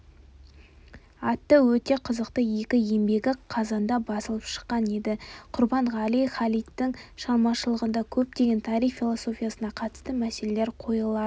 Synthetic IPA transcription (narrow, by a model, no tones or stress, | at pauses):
ɑt̪ːəwɵt̪e̞qʰəzəqt̪əje̞kʲɪe̞mbe̞ɡʲɪqʰɑzɑnd̪ɑbɑsəlˠəpʃə̥qːɑne̞d̪ɪqʰʊɾbɑɴʁɑlijχɑlijt̪ːɪŋʃɑlˠmɑʃəlˠəʁənd̪ɑkʲʰɵp̚t̪e̞ɡʲe̞nt̪ʰɑɾiffʲilˠoso̞fʲijasənɑqʰɑt̪ə̥st̪əmæse̞le̞le̞ɾqʰo̞jəlˠɑə